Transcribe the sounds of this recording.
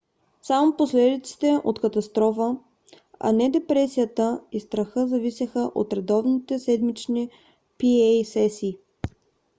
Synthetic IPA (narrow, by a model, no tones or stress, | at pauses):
samoposlɛd̪it̪si̥t̪ɛʔot̪kət̪ɐst̪ɾɔfə | ɐ̰nɛd̪ɛpɾɛsijət̪əist̪ɾɐxɤzɐvisʲəxəʔot̪ɾɛd̪ɔvnit̪ɛsɛd̪mit͡ʃni | piɛjsɛsiː